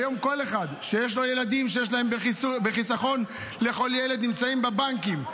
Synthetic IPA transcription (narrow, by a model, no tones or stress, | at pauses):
jo̞mko̞leχad̪ʃejeʃ̬lo̞je̞lad̪imʃ̬ejeʃ̬laembeibeχisaχo̞n | le̞χo̞ljele̞d̪nimt͡saimbebaŋkim